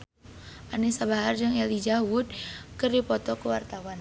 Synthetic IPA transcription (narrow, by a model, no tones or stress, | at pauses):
ʔanisabaɦard͡ʒəŋɛlid͡ʒawud̪̚kərdipɔt̪ɔkəwart̪awan